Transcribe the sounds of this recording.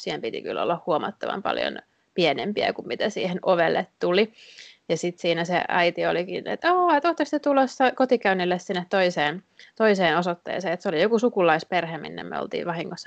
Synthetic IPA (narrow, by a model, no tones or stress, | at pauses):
siːhempit̪ḭky̰lːo̰lːɑhhuomɑ̰t̪ːɑʋɑ̰mpɑ̰ljo̰n | pienempiæ̰kummit̪æsḭːhenoʋelːet̪t̪ulijɑsit̪siːnæsḛɑ̰it̪iolikinḛt̪ɑːet̪oht̪ːɑsit̪ːet̪ulosːɑkot̪ikæynːilːessinːet̪t̪oiseːn | t̪oiseːnosot̪ːḛːseːet̪seolijokusukulˑɑisperhemḭnːḛmmḛo̰lt̪ḭːʋʋɑhiŋːosːɑ